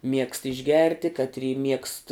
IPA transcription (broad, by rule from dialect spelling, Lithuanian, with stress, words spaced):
mʲiɛkst ɪʒʲˈɡʲɛrʲtʲɪ kɐtʲˈrʲiː mʲiɛkst